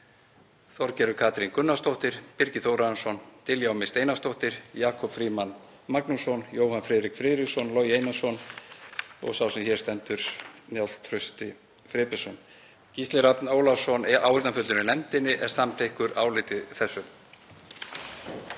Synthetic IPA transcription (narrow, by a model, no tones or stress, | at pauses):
θɔɾcɛːɾʏkʰaːt̪ɾinkʏnːast̪owht̪ɪɾ̥pɪɾcɪθowɾansɔnt̪ɪljawmɪst̪eːjnast̪owht̪ɪɾ̥jaːkʰɔpfɾiːman | maknusɔnjoːwhanfɾɛːðɾikfɾɪːðɾɪsɔnlɔjejnasɔn | ɔ̰ɣsawsɛmçɛ̥st̪ɛnt̪ʏɾ̥njal̥t̪ʰɾʏst̪ɪ | fɾɪːpɛsɔn | cist̪lɛɾat̪noːwlafsɔnawhɪɾt̪nafʏlɪnɪnɛmt̪ɪnɪʔɛɾ̥samt̪ʰehkʏɾaːwlɪːt̪ɪðθɛsːʏm